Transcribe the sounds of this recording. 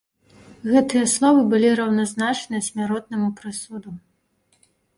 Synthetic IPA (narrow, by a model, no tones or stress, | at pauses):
ɣɛt̪ɨjɐslˠɔvɨbɨlʲiɾɐwnɐznat͡ʂnɨɐsʲmʲaɾɔt̪̚nɐmupɾɨsud̪u